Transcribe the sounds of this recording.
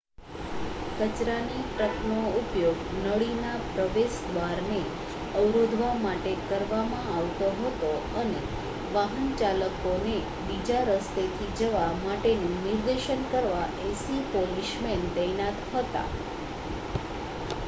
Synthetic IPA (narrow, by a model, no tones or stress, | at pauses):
kət͡ʃɾanipɾəknoupjoɡnəɭinapɾəʋesd̪ʋaɾne | əʋɾod̪ʱʋamaʈekəɾʋamãaʋt̪oɦət̪oəne | ʋaɦənt͡ʃaləkone | bid͡ʒaɾəst̪et̪ʰid͡ʒəʋamaʈenũniɾd̪eʃənkəɾʋaʔesipoliʃmend̪əjnat̪ɦət̪a̰